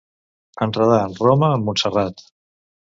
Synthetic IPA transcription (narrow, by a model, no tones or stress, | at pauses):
ənrəð̞aənroməːmːunsərat̪